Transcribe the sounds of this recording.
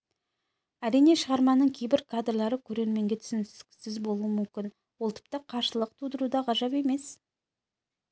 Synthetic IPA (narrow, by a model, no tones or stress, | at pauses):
æɾijne̞ʃəʁɑɾmɑnəɴkʲʰe̞jbɪɾkʰad̪rlˠɑɾəkʲʰɵɾe̞ɾme̞ŋɡʲe̞t̪ʰʏ̥sɪnʲsɪzbo̞lˠuəmʏmkʲɪn | wo̞lˠt̪ʰɪ̥p̚t̪ɑqʰɑɾʃəlˠəq̚t̪ʰud̪əɾud̪ɑʁɑʒɑpe̞me̞s